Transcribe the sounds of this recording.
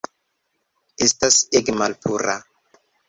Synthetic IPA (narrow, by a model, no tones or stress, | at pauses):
estaseɡmalpʰuɾa